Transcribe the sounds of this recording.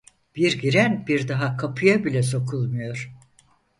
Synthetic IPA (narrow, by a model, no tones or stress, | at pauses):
b̥iɾɡiɾænbiɾd̪aɦakʰapʰɯjabilʲɛs̬o̞kʰulˠmujo̞ɾ̥